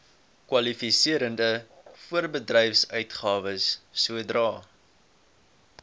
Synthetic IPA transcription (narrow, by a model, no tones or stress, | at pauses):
kwɐlifisiəɾəndəfuərbədrɛjfsœɥtχɑːvəsːuədrɑː